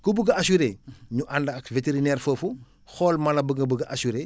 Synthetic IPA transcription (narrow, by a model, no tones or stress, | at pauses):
kubuɡɐasuɾeːɲuʔandɐɐkveteɾinɛːɾfəːfu | xɔːlmɐlɐbəŋɡɐbəɡɐʔasuɾe